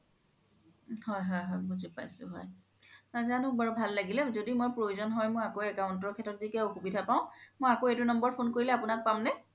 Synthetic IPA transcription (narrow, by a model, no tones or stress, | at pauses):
hɔjɦɔjɦɔjbuzipa̰jsʊ̰ɦɔ̰j | azanʊkbaɹubʱalːaɡilɛzodimojpɹojuzɔnɦɔjmojakoɛkaʊntɔɹkʰɛtɔtzikɛoxubidʱapaʊ̃mojakoetʊnɔmbɔɹpʰonkoɹilɛapʊnak̚pamnɛ